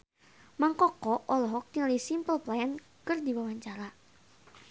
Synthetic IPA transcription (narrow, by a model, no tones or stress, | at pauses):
maŋkɔkɔʔɔlɔɦɔk̚t̪iŋalisimpəlplaɛn | kɨrdiwawaɲt͡ʃaɾa